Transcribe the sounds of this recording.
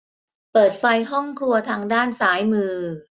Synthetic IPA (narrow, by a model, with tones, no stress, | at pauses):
pɤː˨˩t̪̚fa˧jɦɔ˥˩ŋkʰlu˧ɐt̪ʰaː˧ŋdaː˥˩nsaː˩˦jmɯː˧